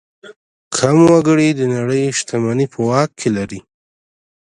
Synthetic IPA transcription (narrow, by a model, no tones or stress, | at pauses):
kʰamwaɡəɽid̪ənaɽəjʃt̪amanipʰəwɑkkːʰelaɾi